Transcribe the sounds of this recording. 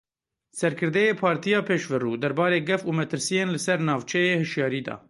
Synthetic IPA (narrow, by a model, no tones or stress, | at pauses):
sɛɾkʰɨɾd̪ɛjeːpʰɑːɾt̪ʰijɑːpʰeːʃvɨruːd̪ɛɾbɑːɾeːɡɛfuːmɛt̪ʰɨɾsijeːnlɨsɛɾnɑːvt͡ʃʰɛjeːhɨʃjɑːɾiːd̪ɑ̰ː